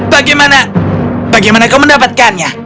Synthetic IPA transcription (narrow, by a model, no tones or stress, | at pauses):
baɡajmanab̥aɡajmanakawməndapat̪̚kanɲa